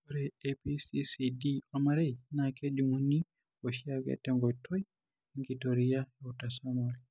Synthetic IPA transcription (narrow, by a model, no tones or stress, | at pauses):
oɾɛepisisidiɔmaɾɛjnakɛd͡ʒumunːi | oʃiaɡɛ̰tɛŋɡɔjtʰːɔj | ɛŋɡitoɾijaɛutasamɔl